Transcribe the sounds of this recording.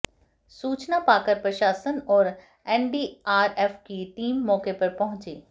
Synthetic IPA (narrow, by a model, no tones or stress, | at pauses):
suːt͡ɕnapaːkəɾpɾɐʃaːsənɔːɾ | ɛːnɖiːaːɾeːfkiʈiːmːɔːkepɐɾpɐɦʊ̃ɲt͡ɕeː